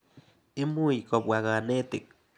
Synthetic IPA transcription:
i˦mu˦ji˨ko˨pwa˨ɣa˨ne˦t̪e˨k̚

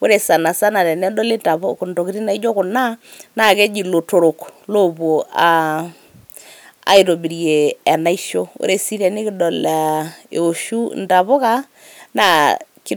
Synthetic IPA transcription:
wo˦ɾe˨sa˨na˨sa˦na˨ɾɛ˨nɛ˦dɔ˦le˦nta˨βo˦kʊ˨nto˨ki˦ɾi˦na˨i˦d͡ʒo˦kʊ˨na˦na˦˨ke˦d͡ʒi˨lo˨to˨ɾo˨klo˦bo˨a˨ | a̰˦i˨to˨bi˨ɾje˨ɛ˨na˦i˦ʃo˦o̰˦ɾe˨si˦ɾɛ˨nɪ˦kɪ˦dɔ˨la˨ḛ˨o˨ʃu˦nta˨βo˦ka˦ | na˦˨kɪ˦

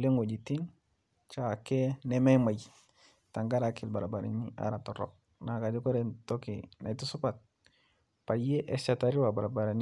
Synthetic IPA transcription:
le˦ŋo˨d͡ʒi˨ti˦n | t͡ʃa˦˨kɛ˦nɛ˦mɛ˦ma˨j | ta˨ŋɡa˦ɾa˨kɪ˨lba˨ɾa˨ba˨ɾa̰˨ni˦ʔa̰˦ɾa˨tɔ˨ɾɔ̰˨k̚ | na˨ka˨d͡ʒɔ˦kɔ˦ɾɛ˦ntɔ˦kḭna̰˨jtu˦sʊ˦pa˨t̚ | pa˨je˦ʔɛ˦sa˨ta˨ɾi˦wa˨ba˨ɾa˨ba˨ɾa˨n˦

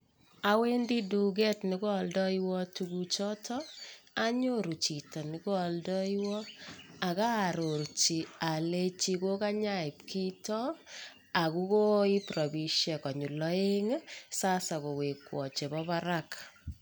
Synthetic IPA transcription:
a˦we˦ndi˦du˨ɡ̬ɛ˦tnɪ˦ko˦a˨ldɔ˦iwɔ˦tukut͡ʃɔ˦tʰɔ˦a˦ɲo˦ɾu˨t͡ʃi˨tɔ˨nɪ˨ko˦a˨ldɔ˦iwɔ˦a˨ka˦˨ɾo˨rt͡ʃi˨a˨le˦t͡ʃi˦ko˦ka˦ɲa˦i˨pkʰi˦tɔ˦ | a˨ku˦ko˦i˦prɔ˨bi˨ʃɛ˨kɔ˨ɲu˨lɔe˦ŋsa˦sa˨ko˨we˨kwɔ˨t͡ʃe˨bɔβa˦ɾak

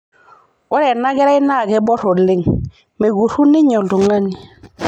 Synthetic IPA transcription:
ɔ˦ɾɛ˨na˦ɡɛ˦ɾa˦i˦na˦˨ɡɛ˦bɔ˦ɾo˨lɪ˦ŋ | me˨ɡu˨ɾu˦ni˦ɲɔ˨ldu˨ŋa˦ni˨

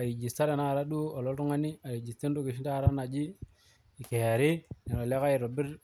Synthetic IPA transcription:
a˨ɾi˨d͡ʒi˨sta˦ɾe˨na˦˨ɾa˦du˦o˨lo˦ltu˦ŋa˦ni˦a˨ɾi˨d͡ʒi˨ste˦ndu˦ɡi˨ʃ̬i˦nta˦˨ɾa˦na˨d͡ʒi˦ | i˨ke˨ja˨ɾi˦ni˨ɾo˨le˦ka˦i˨ɾo˨bi˦ɾ

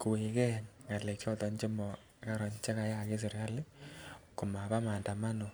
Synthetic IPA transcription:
ko˨we˨kɛ˦ŋa˨le˨kɔ˦tɔ˨ɲt͡ʃe˦mɔ˨˦ | ka˦ɾɔ˨ɲt͡ʃe˦ka˨˦ja˦ke˦s̬e˨ɾa˦lɪ˦ko˨ma˨pa˦ma˨nda˨ma˦no˨

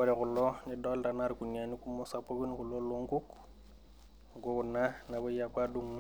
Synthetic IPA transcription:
ɔ˦ɾɛ˨kʊ˨lɔ˦nɪ˨˦dɔ˦lta˨na˦ɾku˨na˨ni˦ku˦mɔ˦sa˨po˦ke˦n˦kʊ˨lɔ˦lo˦ŋ˦ɡu˦k | ŋɡo˦˨na˦na˨bɔ˦ja˨kwa˦du˦ŋ˦

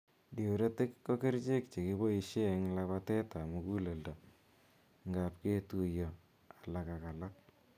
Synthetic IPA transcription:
di˨wɾe˦tɪ˦kːo˦ke˦ɾt͡ʃe˦kt͡ʃe˨ki˦bo˦i˦ʃe˦˨ŋlaβa˦tɛ˦ta˨mu˨ku˦le˨ldo˨ | ŋɡa˨p̚ke˦tu˨jɔ˨ | a˨la˨ka˨ka˨la˦k̚

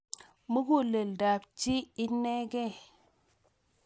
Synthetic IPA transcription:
mu˦ɡu˦˨le˨lda˨pt͡ʃi˦i˦ne˦ɡe˦˨

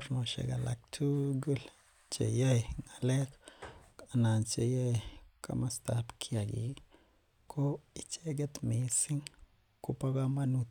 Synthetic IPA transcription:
ɾno˨ʃḛ˨ɡa˨la̰˨k̚tʰu˦ɡu˦l | t͡ʃḛ˨ja˦˨ŋa˨le˦k | a˨na˨nt͡ʃe˨ja˦jka̰˦ma˦st̪a˦pkʰi˦a˨ɡḭ˨ | kʰo˦i˨t͡ʃe˦ɡe˦t̪mi˨si˦ŋ | ku˦pa˦ɡa˦ma˦nu˦t̪

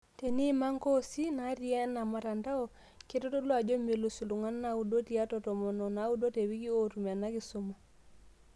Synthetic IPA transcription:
te˨ni˦ma˦ŋko˦si˦na˨˦ɾi˦a˦na˨ma˨ɾa˨nda˦o˦ | ke˦to˦to˦lwa˨d͡ʒo˦me˨lu˨su˨lu˨ŋa˦nna˦˨u˨do˦ti˨a˦tɔ˨tɔ˨mɔ˨nɔ˨na˨˦u˦do˦te˨wi˦ki˦o˨tu˨m˨a˨na˦ki˨so˦ma˨

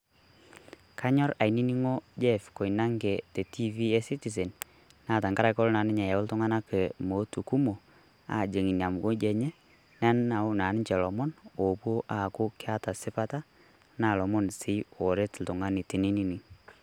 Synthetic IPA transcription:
kʰa˦ɲɔ˦ɾa˨jni˦ni˦ŋo˦d͡ʒɛ˦˨fko˨i˨na˦ŋɡɛ˨tɛ˨ti˦vi˦ɛ˦si˦ti˨s̬ɛ˨n | na˦˨ta˨ŋɡa˦ɾa˦kɔ˦lna˨˦nɪ˦ɲa˨ja˨wʊ˦ltʊ˦ŋa˦na˦ke˨mo˨˦tu˨ku˦mo˨ | a̰˨d͡ʒe˨ŋi˨n˨a˨m˨ɡo˦d͡ʒɛ˨ɲɛ˦ | nɛ˦na˨˦ʊ˦na˨˦n˦t͡ʃɛ˨lɔ˨mɔ˦no˨pwo˦ʔa˨kʊ˦kɪ˦a˦ta˨sɪ˦pa˦ta˦ | na˦˨lɔ˨mɔ˦nsɪ˨˦wɔ˨ɾe˦tl̩˨tʊ˨ŋa˦nɪ˨tɪ˨ni˦ni˦ni˨ŋ

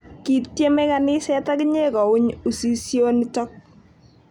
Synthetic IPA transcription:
ki˨tje˦mɛ˦kanɪ˦sɛ˦ta˦kɪɲe˦kɔ˨ʊ˦ɲu˨si˦sjo˦nɪ˦tɔ˦k̚

